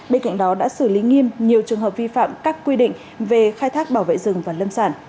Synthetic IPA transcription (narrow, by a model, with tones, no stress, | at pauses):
ɓe˧nka̰˧˨jŋ̟ɗɔ˨˦ɗa̰ː˧˥sɨ˧˩li˨˦ŋi˧əmɲi˨˩əwt͡ɕɨ˨˩əŋɦəː˨˩p̚vi˧fa̰ː˧˨mkaː˦˥kːwi˧ɗḭ˧˨ŋ̟ | ve˨˩xaː˧jt̪ʰaː˦˥k̚ɓaː˧˩wvḛ˧˨jzɨ˨˩ŋvaː˨˩lə˧msaː˧˩n